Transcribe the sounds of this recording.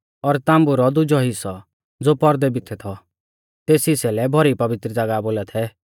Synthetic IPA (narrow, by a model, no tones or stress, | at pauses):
ɔɾt̪ãːmbuɾɔd̪ʊd͡ʒɔɦɪsɔ | d͡zoːpɔɾd̪ɛbɪt̪ʰɛt̪ʰɔ | t̪eːsisɛlɛbʱɔɾipɐʋɪt̪ɾəd͡zaɡaboːlɛt̪ʰɛ